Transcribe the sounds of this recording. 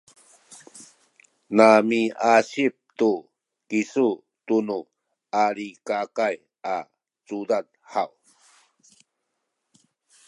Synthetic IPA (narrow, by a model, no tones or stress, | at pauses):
namiaɕip̚tu | kisu | tunu | aɾikakaj | a | t͡sudad | haw